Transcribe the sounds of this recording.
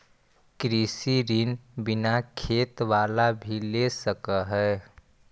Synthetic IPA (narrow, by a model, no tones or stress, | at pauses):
kɾisiɾɪnbɪnakʰeːt̪ʋaːlabʱilesəkəɦɛː